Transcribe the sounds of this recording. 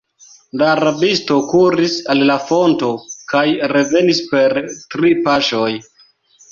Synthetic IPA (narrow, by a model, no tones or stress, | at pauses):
laːɾabisto̞kuɾisalːafo̞nto̞kajɾe̞ve̞nispe̞ɾtɾipaʃo̞j